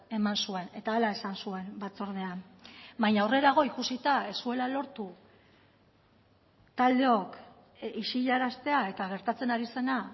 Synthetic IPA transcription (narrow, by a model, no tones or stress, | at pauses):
e̞mansue̞ne̞t̪aelae̞sansue̞mbat͡so̞ɾð̞e̞am | baɲaure̞ɾaɣ̞o̞ikusit̪aesue̞lalo̞ɾt̪u | t̪ald̪e̞o̞k | iʃiʎaɾast̪e̞ae̞t̪aɣ̞e̞ɾt̪at͡se̞naɾise̞na